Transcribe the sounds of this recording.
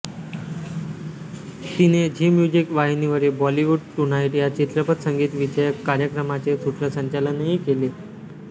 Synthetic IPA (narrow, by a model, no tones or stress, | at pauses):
t̪ined͡ʑiːmjud͡ʑikʋaɦiniʋəɾebɔliʋuɖʈunajʈjat͡ɕit̪ɾəpət̪səŋɡiːt̪ʋit͡ɕəjəkːaɾjəkɾəmat͡sesuʈʰɾəsəɲt͡ɕalənɦikele